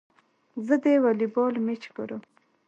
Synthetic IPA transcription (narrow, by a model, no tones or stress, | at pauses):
zəd̪ewalibɔlmet͡ʃɡoɾəm